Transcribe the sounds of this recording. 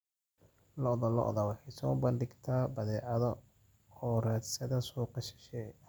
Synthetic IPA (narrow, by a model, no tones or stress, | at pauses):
lɔʔðɔlɔ̰ʔðɐwɑħɛsɔːbɐndɪɡt̪ʰaːbɐðɛːʕɐðɔ | ɔːraːd̪sɐðɐsɔːqɑʃɪ̥ʃɛ